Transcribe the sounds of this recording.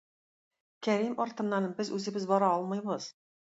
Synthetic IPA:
kʲæɾimɒɾt̪ɤ̆nːɑnɤɴbɘzʉzɘ̆bɘzbɒɾɑɒlˠmɤjbɤz̥

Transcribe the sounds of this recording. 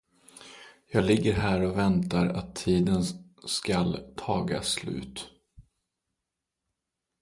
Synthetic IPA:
jɑːɡlɪɡːəɾɦæːɾɔvɛnt̪aɾat̪ʰːiːd̪ən | skalt̪ʰɑːɡa̰slʉ̟̰ːt̪

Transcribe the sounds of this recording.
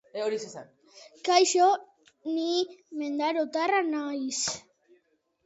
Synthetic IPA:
eoɾisesan | kajʃo | nimend̪aɾot̪aranajs

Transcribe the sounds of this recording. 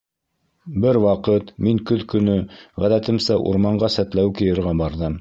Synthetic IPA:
bɘɾwɑqɤt̪miŋkɵðkɵ̆nɵʁæðæt̪ɘ̆msæʔṵɾmɑɴɢɑsæt̪læwkɘ̆jɤ̆ɾʁæbɑɾðɤm

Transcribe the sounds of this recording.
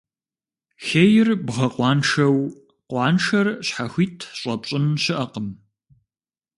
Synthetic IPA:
xejɪrbʁɐqʷɑːnʂɐw | qʷɑːnʂɐrɕħaxʷiːtʰɕʼɐpɕʼɪmɕɪʔɐqəm

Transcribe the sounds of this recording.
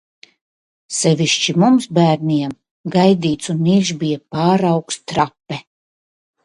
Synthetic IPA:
sɛvʲiʃt͡ʃimumsbæːɾniɛm | ɡajd̪iːt̪sunːiʒbijapaːɾawkst̪ɾapːɛ

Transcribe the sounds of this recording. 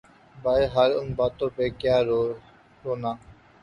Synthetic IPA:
bajɦaːlʊnbaːt̪oːpeːkjaːɾo | ɾoːnaː

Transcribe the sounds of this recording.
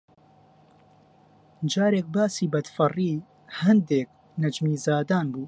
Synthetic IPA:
d͡ʒaːɾeːk̚baːsiːbɐd̪fɨriː | hɐnd̪eːk̚ | nɐd͡ʒmiːzaːd̪aːnbuː

